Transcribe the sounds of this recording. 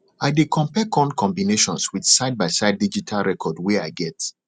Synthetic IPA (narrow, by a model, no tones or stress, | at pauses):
aɪdekʰɔ̃mpɛkʰɔ̃nkʰɔ̃mbineʃɔ̃nswið̥saɪd̚baɪsaɪd̚ːid͡ʒitʰalɹɛkʰɔdwɛaɪɡɛt